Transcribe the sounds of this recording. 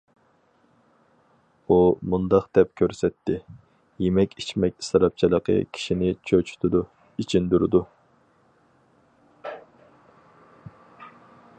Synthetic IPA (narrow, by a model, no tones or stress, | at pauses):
umund̪ɑqd̪ɛp̚kʲʰøɾsɛt̪ʰːɪ | jemɛkʲit͡ʃmɛk̚ʲi̥st̪ɾɑp̚t͡ʃʰilˠəqʰə̰kʲʰi̥ʃinɪt͡ʃʰøt͡ʃʰy̥t̪ʰud̪u | it͡ʃʰind̪yɾɪd̪u